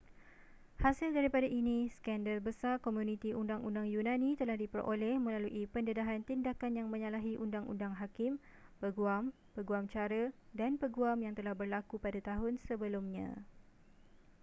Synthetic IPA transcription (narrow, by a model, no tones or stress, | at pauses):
hasɪldaɾipadaʔinĩskɛndəlbəsarkomjunĩt̪iʔundaŋundaŋjunãnĩt̪əlahdipəɾʔo̰lɛhmə̃laluʔipəndədaɦant̪indakanjaŋmə̃ɲalaɦiʔundaŋʔṵndaŋɦakɪm | pəɡuam | pəɡuamt͡ʃaɾədanpəɡuamjaŋt̪əlahbərlakupadat̪aɦʊnsəbəlumɲã̰